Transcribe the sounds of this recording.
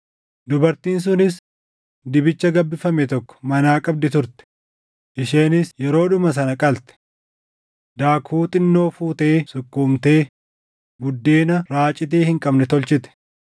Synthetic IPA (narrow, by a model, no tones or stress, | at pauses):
d̪ʊbɐɾt̪iːns̬ʊnɪs | d̪ɪbɪt͡ʃːɐɡɐbːɪfɐmɛt̪ɔkːɔ̥mɐnaːkʼɐb̚d̪ɪt̪ʊɾt̪ɛ̥ | ʔɪʃeːnɪsjɛɾo̞ːᶑʊmɐs̬ɐnɐkʼɐlt̪ɛ̥ | d̪aːkʰuːt̪ʼɪnːo̞ːfuːt̪e̞ːsʊkːuːmt̪e̞ː | bʊd̪ːeːnɐɾaːt͡ʃʼɪt̪̬eːhɪŋkʼɐbnɛt̪ɔlt͡ʃɪt̪ɛ̥